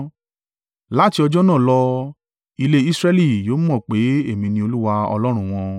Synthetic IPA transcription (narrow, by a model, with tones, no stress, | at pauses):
la˦ti˧ɔ˧d͡ʒɔ˦nã˦˨lɔ˧ | i˧le˦i˦sɾɛ˦li˦˨jo˨˦mɔ̃˦˨k͡pe˨˦e˦˨mĩ˧nĩ˧o˧lu˦wa˧ɔ̰˧lɔ˦ɾ̃ũ˧w̃ɔ̃˧